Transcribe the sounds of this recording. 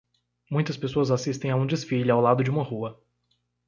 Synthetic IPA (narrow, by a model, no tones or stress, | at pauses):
mũj̃t̪ɐspesoɐzasist̪ẽj̃aũd͡ʒesfiʎʊawlad̪ʊd͡ʒɪũmɐhuɐ